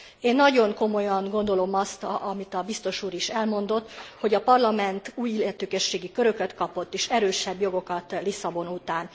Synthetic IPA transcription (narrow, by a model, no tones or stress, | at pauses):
eːnːɒɟo̞ŋko̞mo̞jɒŋɡo̞nd̪o̞lo̞mɒst̪ɒmit̪ɒbist̪o̞ʃuːɾiʃɛlmo̞nd̪o̞t̪ːho̞ɟɒpɒrlɒmɛnt̪uːjilɛt̪øːkɛʃːeːɡikøɾø̞køt̪kɒpo̞t̪ːeːʃɛɾøːʃɛbjo̞ɡo̞kɒt̪lisɒbo̞nut̪aːn